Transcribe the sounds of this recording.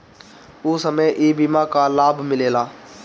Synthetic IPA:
ʊːsəmejʔiːbimãːkalaːbʱmɪleːlaː

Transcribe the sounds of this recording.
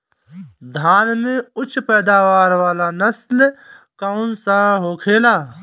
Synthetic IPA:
d̪ʱaːnmẽʊt͡ʃʰpɛːd̪aːʋaːɾʋaːlanɐsl | kaʊnsaɦoːkʰeːlaː

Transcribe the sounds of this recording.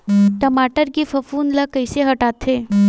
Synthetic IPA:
ʈəmaːʈəɾkifɐfuːnlakəjseɦəʈaːt̪ʰe

